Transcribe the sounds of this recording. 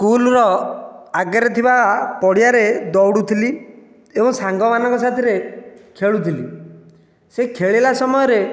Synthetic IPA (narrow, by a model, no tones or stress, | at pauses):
skulɾɔaɡaɾɔt̪ʰibapɔɽijaɾed̪ɔwɽut̪ʰili | ebɔŋsaŋɡɔmanɔ̃ŋkɔsat̪ʰiɾekʰeɭut̪ʰilḭ | sekʰeɭelasɔmɔjɔɾe